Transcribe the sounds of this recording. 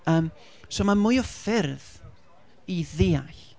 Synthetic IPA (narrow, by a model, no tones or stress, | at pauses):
əːm | somamʊjɔfɪrð | iðeːaɬ